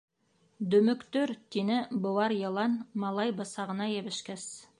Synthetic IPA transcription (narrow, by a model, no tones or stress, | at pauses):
d̪ɵmʏkt̪ɵɾt̪ʰenɪbowɑɾjelˠɑnmɑlˠɑjbɑsɑʁənɑjebɪʃkʲæs